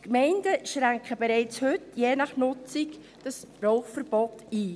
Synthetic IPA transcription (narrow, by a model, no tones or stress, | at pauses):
kmɛɪndəʃɾæŋkχəbɛɾɛɪt͡shʏtjeːnɑχnʊt͡sɪk | d̥ɑsrɔʊχfəɾb̥ɔtiː